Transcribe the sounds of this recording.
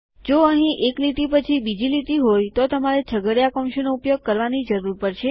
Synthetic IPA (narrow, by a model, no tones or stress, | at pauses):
d͡ʒoəɦĩʔeklit̪ipət͡ʃʰibid͡ʒilit̪iɦojt̪ot̪əmaɾet͡ʃʰəɡəɽjakɔmʃenoupjoɡ̚kəɾʋanid͡ʒəɾuɾpəɾʃʰe